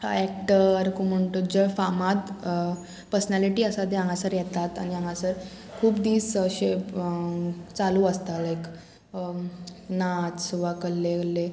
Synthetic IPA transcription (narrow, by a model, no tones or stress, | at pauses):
ɛkʈəɾkuməɳʈud͡ʑəfamat̪ | pəɾsənæliʈiːəsad̪eãŋɡasəɾjɛt̪at̪a̰ñiãŋɡasəɾ | kʰuːpd̪iːsəɕe | t͡saluəst̪alek | nat͡sʋakəlːeəlːe